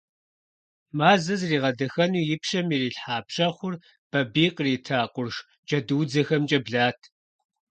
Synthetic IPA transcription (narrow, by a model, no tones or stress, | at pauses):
maːzɐzriːʁɐdɐxɐnuːjɪpʃɐmiriːɬħaːpɕɐχʷʊr | b̥ɐbiːqʼriːtʰaːqʷʊrʂ | d͡ʒʼɐduːd͡zɐxɐmt͡ʃʼɐbɮaːtʰ